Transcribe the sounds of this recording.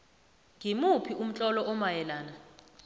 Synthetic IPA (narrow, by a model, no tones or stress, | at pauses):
ŋʱimupʰiʔum̩t͡ɬʼɔlɔʔɔmajɛlaːna